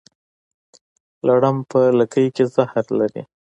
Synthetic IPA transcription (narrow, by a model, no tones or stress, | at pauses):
laɽampələkəjkezahɾlaɾḭ